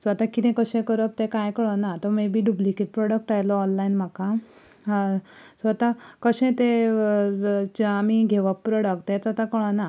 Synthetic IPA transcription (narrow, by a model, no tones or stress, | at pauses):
sʋat̪akit̪ɛ̃kəɕẽkəɾəp̚t̪ẽkajkəɭɔnat̪ɔmebʱiːɖublikiʈ̚pɾɔɽək̚ʈajlɔɔnlainm̤aka | sʋat̪akəɕẽt̪e | amiɡʱeʋəpːpɾɔɽək̚t̪ɛt͡sat̪akəɭɔna